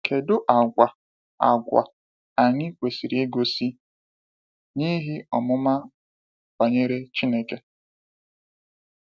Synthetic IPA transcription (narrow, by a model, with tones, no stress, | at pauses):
ke˨dʊ˦ʔa˨ɡʷa˨ | a̰˨ɡʷa̰˨ | a˨ɲɪ˦kʷe˨si˨ɾi˨˦e˦ɡo˦si˦ | ni˦ɦi˦ɔ˨mʊ˦ma˦ | ba˨ɲe˦ɾe˦t͡ʃi˦ne˦ke˦